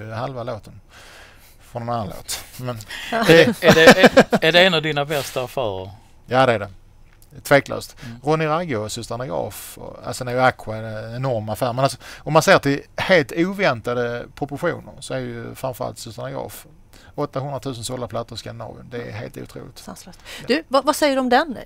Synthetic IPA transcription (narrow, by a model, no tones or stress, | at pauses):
ɦalvaloːt̪ən | fɾɔnːɛnanːanlo̰ːt̪mɛn | æɖɛɛnavd̪inabɛst̪aːfæːɾəɾ | jaːd̪ɛæɖɛ | t̪ʰveːklø̰ːst̪ɾɔnɪɾaɡʊsɵst̪anaɡɾɑ̰ːfɔ̰a̰sɛnæɾjakʰːwadɛɛnɔɾmafæːɾmɛnalsɔɔmːanseːəʈʰɪlheːlt̪uːvɛnt̪ad̪əpʰɾʊpʊɧṵːnə̰ɾsɔæɾɛjɵ̰fɾãmɱfœɾa̰lt̪sɵst̪anaɡɾɑ̰ːf | ɔt̪ːahɵnd̪ɾat̪ʰʉ̟ːsənsɔlːapʰlat̪ːəɾskanɪnɑ̰ːbjʊ̰nd̪ɛːɦḛːlt̪ṵːt̪ʰɾṵːlɪkt̪d̪ʉvavasɛjːəɖɔmd̪ɛn